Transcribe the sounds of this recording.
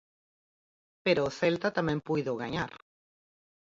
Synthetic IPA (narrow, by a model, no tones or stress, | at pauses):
peɾoːθelt̪at̪amɛ̃mpujðoɣaɲaɾ